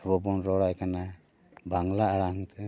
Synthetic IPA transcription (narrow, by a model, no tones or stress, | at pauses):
ɔbɔbɔnɾɔɽajkana | bʱaŋlaaɽaŋt̪ʰɯ